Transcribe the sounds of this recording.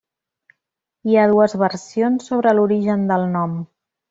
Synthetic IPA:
iað̞uəzβəɾsionsːoβ̞ɾəluɾiʒənd̪əlˠnɔm

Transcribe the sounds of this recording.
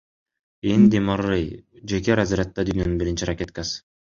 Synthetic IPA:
end̪imarɯjd͡ʒekeɾaziɾat̪ːɑd̪yːnønynbiɾint͡ʃiɾakʲet̪̚kas

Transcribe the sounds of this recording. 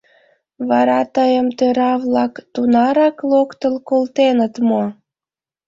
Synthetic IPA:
βɑɾɑt̪əjəmt̪øɾɑβlɑkt̪unɑɾɑklokt̪əlkolt̪enət̪mo

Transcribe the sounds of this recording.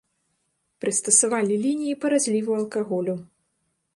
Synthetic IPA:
pɾɨst̪ɐsavalʲilʲinʲijipɐɾazʲlʲivuɐlˠkaɣɔlʲu

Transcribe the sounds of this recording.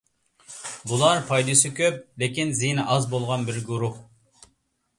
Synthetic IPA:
bulˠɑɾpʰɑjd̪ɨsɨkʲʰøp̚lɪkʲinzijnɨʔɑzbolˠʁɑnbɪɾɡuɾuh

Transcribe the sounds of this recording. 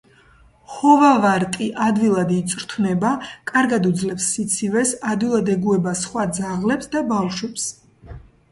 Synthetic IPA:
χɔvavaɾt̪ʼiʔad̪vilˠad̪it̪sʼɾt̪ʰvnɛbakʼaɾɡad̪ud̪zlɛpsːit̪sʰivɛsad̪wilˠad̪ɛɡuɛbasχwad̪zaʁlɛpsd̪abawʃwɛps

